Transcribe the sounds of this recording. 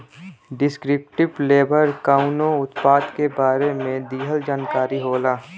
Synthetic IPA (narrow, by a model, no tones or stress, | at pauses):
ɖɪskɾɪp̚ʈɪbleːbəɾkaːʊnõʊt̪paːd̪kebaːɾemẽd̪iːɦəld͡ʒaːnkaːɾiɦoːlaː